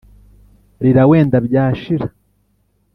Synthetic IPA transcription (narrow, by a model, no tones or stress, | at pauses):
ɾiɾawe̞ːndabɟaːʃiɾa